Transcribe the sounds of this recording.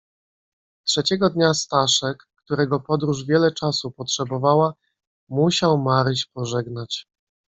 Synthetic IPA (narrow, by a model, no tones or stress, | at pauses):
tʂɛt͡ɕɛɡɔd̪ɲast̪aʂɛkːt̪uɾɛɡɔpɔd̪ɾuʐvʲjɛlɛt͡ʂasupɔtʂɛbɔvawa | muɕawmaɾɕpɔʐɛɡnat͡ɕ